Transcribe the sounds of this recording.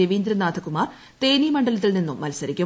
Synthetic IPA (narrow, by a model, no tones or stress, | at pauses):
eʋiːnd̪ɾɐnaːd̪ʱʰɐkːumaːr | t̪e̞ːniːmɐɳɖɐlɐt̪̬ːilninːumːɐlsɐɾikʲːu